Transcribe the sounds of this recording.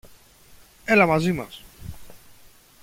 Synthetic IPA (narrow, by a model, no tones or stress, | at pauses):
elamazimas